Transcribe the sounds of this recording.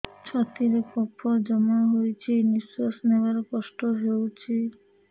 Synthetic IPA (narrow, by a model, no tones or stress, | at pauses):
t͡ʃʰɔt̪iɾepɔpʰːɔd͡ʒɔmaɦojt͡ʃʰinisɔsnebaɾkɔsʈɔɦewt͡ʃʰi